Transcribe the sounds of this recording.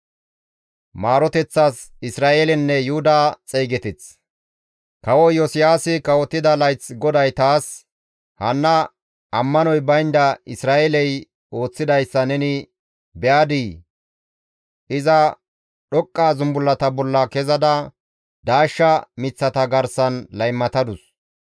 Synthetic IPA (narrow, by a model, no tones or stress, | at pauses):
maːɾɔt̪ɛt͡sːaːs | ɪsɾaːʔelɛnːɛjʊʊd̪aːt͡sʼɛːɡɛt̪ɪt͡s | kɐwɔjɔsɪjaːsɪkɐwɔt̪ːɪd̪ɐlɐjt͡sɡɔd̪ɐjt̪aːs | hɐnːɐ | ɐmːɐnɔjbɐjnd̪ɐɪsɾaːʔɛlɛj | o̞ːt͡sːɪd̪ɐjsːɐnɛnɪ | bɛʔaːd̪iː | ʔɪzɐ | ɗɔkʼːaːzʊmbʊlːɐt̪ɐbɔlːɐkɛzɐd̪ɐ | d̪̥aːʃːɐmɪt͡sːɐt̪ɐɡɐɾsɐnlɐjmːɐt̪ɐd̪ʊs